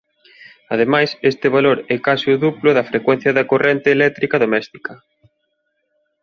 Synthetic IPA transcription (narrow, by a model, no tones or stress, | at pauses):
ɐð̞emajsest̪ɪβaloɾɛkasɪʊðuplʊðɐfɾekwɛn̟θjɐðɐkorʔent̪eːlɛk̚t̪ɾikɐðomɛst̪i̥kɐ